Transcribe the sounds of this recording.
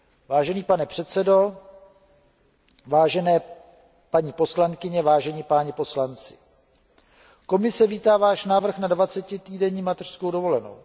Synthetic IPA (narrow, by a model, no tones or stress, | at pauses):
vaːʒɛniːpanɛpr̥ɛt̪t͡sɛdo̞ | vaːʒɛnɛː | paɲiːpo̞slaŋkɪɲɛvaːʒɛɲipaːɲɛpo̞slant͡sɪ̥̰ | ko̞mɪsɛviːt̪aːvaːʃnaːvr̩xnadvat͡sɛcɪt̪iːdɛɲiːmat̪ɛr̥skowdo̞vo̞lɛno̞̰w